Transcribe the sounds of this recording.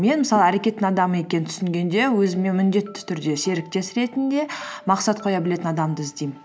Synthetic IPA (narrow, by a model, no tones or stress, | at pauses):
me̞nməsɑlˠəæɾe̞kʲe̞t̪ːɪŋɑd̪ɑməe̞kʲe̞nɪt̪ʰʏ̥sɪŋɡʲe̞nd̪e̞wɵzɪmenmʏnd̪e̞t̪ːɪ̥t̪ʰʏɾd̪e̞se̞ɾɪk̚t̪e̞sɾe̞t̪ɪnd̪e̞mɑqsɑt̪̚qʰo̞jɑbɪle̞t̪ɪnɑd̪ɑmd̪əɪzd̪ejmɪ